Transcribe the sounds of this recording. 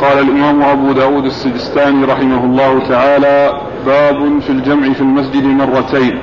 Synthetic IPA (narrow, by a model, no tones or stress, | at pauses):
qɑːlalʔɪmaːmʊʔabuːd̪aːwuːd̪asːɪd̪ɪst̪aːniːɾˤɑħɪmahʊlˤːɑːhʊt̪aʕaːlaː | baːbʊfild͡ʒamʕɪfilmas̬d͡ʒɪd̪mɑrˤːɑt̪ajn